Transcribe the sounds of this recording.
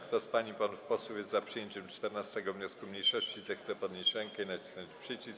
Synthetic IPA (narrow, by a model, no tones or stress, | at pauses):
kt̪ɔspaɲipanfpɔswufjɛst̪zapʂɨjɛɲt͡ɕɛmt͡ʂt̪ɛɾnast̪ɛɡɔvɲɔskumɲejʂɔɕt͡ɕizɛxt̪sɛpɔd̪ɲet͡ɕɾɛŋkkɛinat͡ɕi̥snɔɲt͡ɕpʂɘt͡ɕis